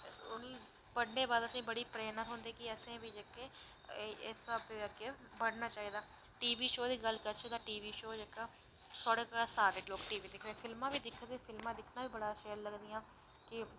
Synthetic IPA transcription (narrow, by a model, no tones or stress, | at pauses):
ʊnĩː | bəɽneːbaːd̪əsĩːbəɽiːpɾeːnət̪ɦʊ̃nd̪eːkɪəsẽːʋiːd͡ʒeːkeː | səbke | bəɽnaːt͡ʃaːɦiːd̪aː | ʈiːʋiːʃoːd̪iːɡəlkəɾt͡ʃʰəd̪aːʈiːʋiːʃoːd͡ʒekaː | sɔɽəkaːsaːɾɪkloːkʈiːʋiːd̪ɪkʰd̪eːpʰɪlmãːbiːd̪ɪkʰːd̪eːpʰɪlmãːd̪ɪkʰnaːbiːbəɽaːʃeːɾləɡd̪ɪjãː | kɪ